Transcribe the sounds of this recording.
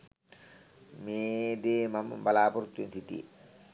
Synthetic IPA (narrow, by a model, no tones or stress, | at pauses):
meːd̪eːmɐmbɐlaːpuɾut̪wint̪ʰit̪ḭ